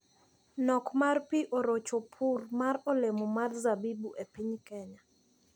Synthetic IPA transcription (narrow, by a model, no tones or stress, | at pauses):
nɔkmarpiʔɔɾot͡ʃopʰurmaɾɔlemɔmarzabibuʔepiɲkɛɲa